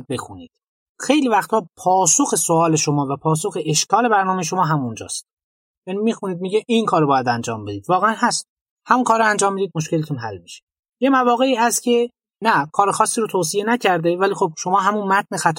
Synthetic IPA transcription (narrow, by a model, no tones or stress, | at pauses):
be̞xunḭːd̪̥ | xe̞jliːvæxt̪ʰɒːpʰɒːsoxe̞soɒːleʃomɒːvæpʰɒːsoxe̞ʔeʃkɒːle̞bæɾnɒːmejeʃo̞mɒːɦæmund͡ʒɒ̰ːst̪̚ | jæːnimixuniːd̪̚miɟeʔinkʰɒːɾobɒːjæd̪ænd͡ʒɒ̰ːmbe̞d̪iːd̪vɒːɣe̞ænɦæst̪̚ | hæmunkʰɒːɾoænd͡ʒɒːmːid̪iːd̪̚moʃ̬celet̪ʰunɦælmiʃe̥ | jemævɒːɣeiːæst̪̚cʲʰe̞ | nækʰɒːɾexɒːsːiːɾot̪ʰoːs̬ije̞næcʰæɾd̪e̞væliːxob̥̚ʃo̞mɒːɦæmunmæt̪̚nexæt̪ʰ